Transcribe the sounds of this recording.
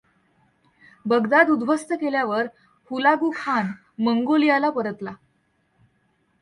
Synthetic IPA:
bəɡd̪ad̪ud̪ʋəst̪əkeljaʋəɾ | hulaɡukʰan | məŋɡolijalapəɾət̪la

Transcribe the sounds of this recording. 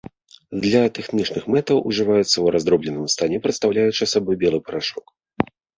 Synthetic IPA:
d̪lʲɐt̪ɛxnʲit͡ʂnɨxmɛt̪ɐwʔuʐɨvajut̪sːɐwɾazd̪ɾɔblʲɛnɨmst̪anʲɛpɾɨt̪st̪awlʲajut͡ʂɨɐsabɔjbʲɛlˠɨpɐɾaʂɔk

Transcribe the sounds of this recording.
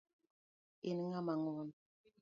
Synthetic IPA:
eniŋamaŋɔn

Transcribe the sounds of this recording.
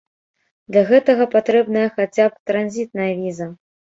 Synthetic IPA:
d̪lʲɐɣɛt̪ɐɣɐpat̪ɾɛbnɐjɐxat͡sʲap̚t̪ɾanzʲit̪̚nɐjɐvʲizɐ

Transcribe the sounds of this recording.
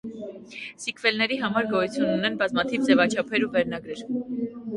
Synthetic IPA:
sikʰvɛlnɛɾiɦɑmɑɾɡɔjut͡sʰjunːunɛnbɑzmɑt̪ʰivd͡zɛvɑt͡ʃʰɑpʰɛɾuvɛɾnɑɡɾɛɾ

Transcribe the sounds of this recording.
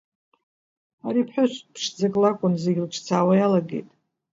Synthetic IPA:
aɾipʰħʷᶣʊɕʷpʰʂd͡zakʼlakʷʼʊnzeɡʲɪlʈ͡ʂʰʼt͡sʰaːwajalaɡe̞̰jtʼ

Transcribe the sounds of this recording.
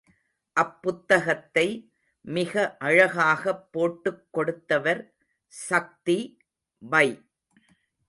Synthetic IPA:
ʔɐpːʊt̪ːɐɣɐt̪ːɐɪ | mɪɣɐʔɐɻɐɣaːɣɐpːoːʈːɯkːɔɽɯt̪ːɐʋɐɾ | sɐk̚t̪i | ʋɐɪ

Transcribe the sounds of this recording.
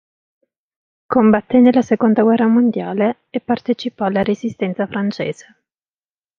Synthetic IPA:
kombat̪ːenelːasekond̪aɡwɛrːamond̪jaːle | epːart̪et͡ʃipɔalːaɾezist̪ɛnt̪safɾant͡ʃḛːz̥e̥

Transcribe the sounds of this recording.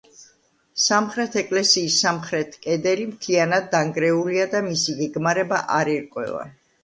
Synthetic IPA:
samχɾɛt̪ʰɛkʼlɛsiːsːamχɾɛt̪ʰkʼɛd̪ɛlimt̪ʰlianad̪̚ːaŋɡɾɛuliad̪amisiɡɛɡmaɾɛbaʔaɾiɾkʼwɛ̰va̰

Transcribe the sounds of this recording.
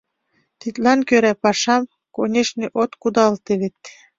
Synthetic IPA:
t̪it̪lɑnkøɾæpɑʃɑm | konʲeʃniʔot̪kud̪ɑlt̪eβet̪

